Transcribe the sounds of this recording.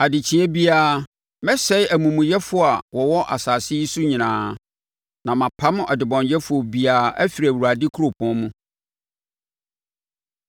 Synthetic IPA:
a˨dɪ˨t͡ɕʰĩ˦ɛ˦bi˦aː˦ | mɛ̃˦sɛ˦ɪ˦ʔæ˨mũ˨mũ˨jɛ˦fʊ˦a˨wɔ˨wɔ˦ʔa̰˨saː˨sɪ˦i˦su˦ɲĩ˨nãː˨ | nã˨mã˨pʰã˦m̃˦ʔɔ˨dɪ˨bɔ̃˨njɛ˦fʊ˨ɔ˨bi˦a˨ʔæ̰˦fi˨ɾæ˨wu˨a˨dɪ˦kʰu˦ɾo˨pʰʊ̃˦mũ˦

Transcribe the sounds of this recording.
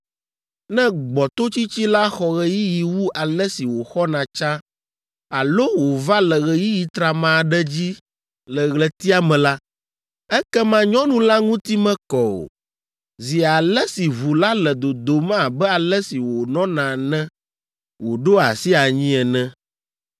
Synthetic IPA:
nɛ̃˦ɡ͡bɔ˨t̪o˦t͡ɕi˦t͡ɕi˦la˦xɔ˨ɣɛ˨ji˦ji˨wu˦ʔa˨lɛ˦si˨wo˨xɔ˦nã˨t͡ʃa˦ | a˨lo˦wo˨va˦lɛ˨ɣɛ˨ji˦ji˨t̪ɾa˨mã˨ɖɛ˦d͡ʑi˦ | lɛ˨ɣlɛ˨t̪i˦a˦mɛ̃˨la˦ | ɛ˦kɛ˦mã˦ɲɔ̃˦nũ˨la˦ŋũ˦t̪i˦mɛ̃˦kɔ˨o̰˨ | zi˨a˨lɛ˦si˨vu˨la˦lɛ˨d̪o˨d̪o˨mã˦˨bɛ˦a˨lɛ˦si˨wo˨nɔ̃˦nã˨nɛ̃˦ | wo˨ɖo˦a̰˨si˦a˨ɲĩ˦ɛ˨nɛ̃˦

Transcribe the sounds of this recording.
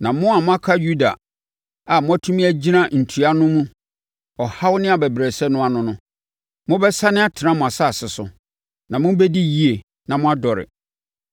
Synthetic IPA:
nã˨mʊ̃˦a˨mʊ̃˦a˦kʰa˦ju˦da̰˨ | a˨mʊ̃˦æ˦tʰũ˦mĩ˦æ˦d͡ʑi˦nã˦n̩˨tʰu˨a˦nʊ̃˦mũ˦ | ɔ˨ha˦wnɪ̃˦a˨bɛ˨bɾɛ˨sɛ˦nʊ̃˦a˨nʊ̃˦nʊ̃˦ | mʊ̃˦bɛ˦sa˦nɪ̃˦a˦˨tʰɪ˨nã˦mʊ̃˨a˨sa˦a˨sɪ˨sʊ̰˨ | nã˨mʊ̃˦bɛ˦di˦ji˦e˨ | nã˨mʊ̃˦a˦dɔ˨ɾɪ̰˨

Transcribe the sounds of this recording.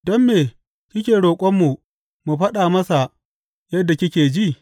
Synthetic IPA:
dɔ˦mːeː˨ | kʲɪ˦kʲeː˨ɽoː˨kʷʼɔ˦mːu˨ | mu˨ɸɐ˦ɗaː˨mɐ˦sa˨ | jɐ˦dːa˨kʲɪ˦kʲeː˨d͡ʒi˦˨

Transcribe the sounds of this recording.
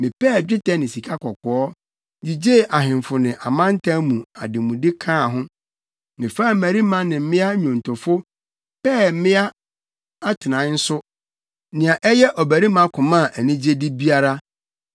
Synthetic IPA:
mɪ̃˨pɛː˦˨d͡ʑᶣɪ˦tʰɛ˦nɪ̃˨si˨kʰa˦kʰɔ˨kʰɔ˨ɔ˦ | d͡ʑi˨d͡ʑe˦˨ʔa˨ɦɪ̃˨mfʊ˨nɪ̃˨ʔa˨mã˦n̩˦tʰã˦mũ˨a̰˨dɪ˨mũ˨dɪ˦kʰãː˦˨ɦʊ̃˦ | nɪ̃˨fa˦˨mæ˨ɾi˦mã˦nɪ̃˨m̩˦mɪ̃˦a˦ɲᶣɔ̃˨n̩˨tʰʊ˨fʊ˦ | pɛː˦˨m̩˦mɪ̃˦a˦ | a˦tʰɪ˨nã˨˦n̩˦sʊ˦ | nɪ̃˨a˨ʔɛ˦jɛ˦ʔɔ˨bæ˨ɾi˦mã˦kʰʊ̃˨mã˦˨ʔæ˨nĩ˦d͡ʑe˦dɪ˦bi˦a˦ɾa˦

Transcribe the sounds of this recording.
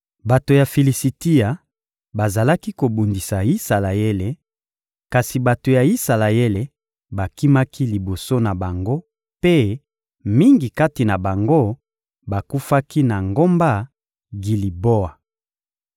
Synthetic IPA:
ba˨to˨ja˨fi˨li˨si˨ti˦a˨ | ba˨za˨la˦ki˦ko˨bu˨ndi˨sa˨i˦sa˨la˨e˦le˨ | ka˨si˨ba˨to˨ja˨i˦sa˨la˨e˦le˨ | ba˨ki˦ma˦kʰi˦li˨bo˨so˦na˨ba˨ŋɡo˦ | pe˦ | mi˦ŋɡi˨ka˦ti˨na˨ba˨ŋɡo˦ | ba˨ku˦fa˦ki˦na˨ŋɡo˦mba˦ | ɡi˨li˨bo˦a˨

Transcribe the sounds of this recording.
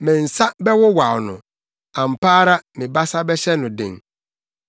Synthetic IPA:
mɪ̃˨n̩˨sa˦bɛ˦wʊ˦wa˨wnʊ̰̃˨ | ã˨m̩˨pʰaː˦ɾa˦mɪ̃˨ba˦sa˦bɛ˦ɕɛ˦nʊ̃˨dɪ̰̃˨ŋ

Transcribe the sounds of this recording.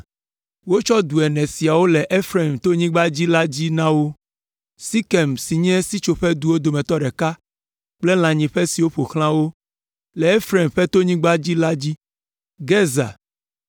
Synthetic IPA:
wo˦t͡ʃɔ˦d̪u˨ɛ˨nɛ̃˨si˨a˨wo˦lɛ˨ʔe˦fɾe˨mt̪o˦ɲĩ˦ɡ͡ba˦d͡ʑi˦la˦d͡ʑi˦nã˦wo˦ | si˦kɛ˨msi˨ɲ˦ɛ̃˦si˦t͡ʃo˨ɸɛ˦d̪u˨wo˦d̪o˨mɛ̃˨t̪ɔ˦ɖɛ˨ka˦ | k͡plɛ˦l̃ã˨ɲĩ˨ɸɛ˦si˨wo˦ɸo˨xl̃ã˦wo˦ | lɛ˨e˦fɾe˨mɸɛ˦t̪o˦ɲĩ˦ɡ͡ba˦d͡ʑi˦la˦d͡ʑi˦ | ɡɛ˦za̰˨

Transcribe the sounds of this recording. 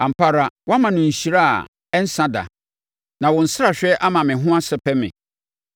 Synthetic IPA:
a˨m̩˨pʰa˦ɾa˦wɔ˦a˦mã˨nʊ̃˨n̩˨ɕi˨ɾa˦a̰˨ | ɛ˦n̩˦sã˦da̰˨ | nã˨wɔ̃˨n̩˨sɪ˦ɾa˨ɕᶣɛ˦ʔa˦mã˨mɪ̃˨ɦʊ̃˦a˦sɛ˦pʰɛ˦mɪ̰̃˨

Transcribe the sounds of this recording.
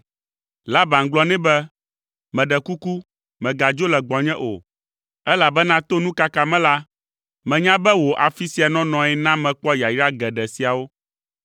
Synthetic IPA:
la˦bã˨ŋ̩˨ɡ͡blɔ˦nɛ̃˦bɛ˦ | mɛ̃˨ɖɛ˨ku˦ku˦ | mɛ̃˨ɡa˨d͡ʒo˦lɛ˨ɡ͡bɔ˨ɲɛ̃˦ʔo̰˨ | ɛ˦la˨bɛ˦nã˦t̪o˦nũ˦ka˦ka˨mɛ̃˦la˦ | mɛ̃˨ɲã˦bɛ˦wo˨ʔa˨fi˦si˨˦a˨nɔ̃˦nɔ̃˨ɛ˦nã˦mɛ̃˨k͡pɔ˦ja˨i˦ɾa˦ɡɛ˨ɖɛ˨si˨a˨wo˦

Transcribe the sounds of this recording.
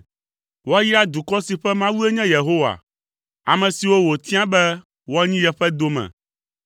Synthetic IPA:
wo˦a˦ji˦a˦d̪u˨kɔ˦si˨ɸɛ˦mã˦wu˦e˦ɲɛ̃˦je˨ɦo˦wa̰˨ | a˨mɛ̃˨si˨wo˦wo˨t̪ĩ˦ã˦bɛ˦ | wo˦a˦ɲĩ˦jɛ˨ɸɛ˦d̪o˦mɛ̰̃˨

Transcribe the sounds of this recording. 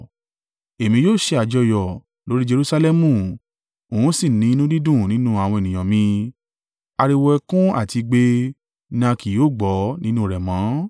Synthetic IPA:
e˨mĩ˧joː˦˨ʃe˧a˨d͡ʒɔ˧jɔ˨ | lo˨˦ɾi˦d͡ʒe˧ɾu˦˧sa˧lɛ˦mũ˧˨ | õ˨ũ˨˦si˦˨nĩ˨˦nũ˦di˦dũ˦˨nĩ˦nũ˦a˨wɔ̃˧e˨nĩ˨j̃ã˨mĩ˧ | a˧ɾi˧wɔ˧ɛ˧kũ˦a̰˦˨ti˧ɡ͡be˧ | nã˧ki˨joː˦˨ɡ͡bɔ˨˦nĩ˦nũ˦ɾɛ˨mãː˨˦

